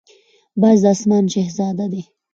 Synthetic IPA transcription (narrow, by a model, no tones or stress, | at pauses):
bɑːzd̪asmɑːnʃehzɑːd̪ad̪e